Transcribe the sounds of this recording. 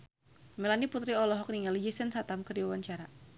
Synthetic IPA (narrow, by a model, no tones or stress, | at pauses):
melaniput̪ɾiɔlɔɦɔk̚niŋalid͡ʒisənsat̪amkərdiwawaɲt͡ʃaɾa